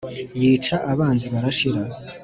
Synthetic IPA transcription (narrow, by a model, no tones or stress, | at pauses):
jiːt͡ʃaʔaβaːnziβaɾaʃiɾa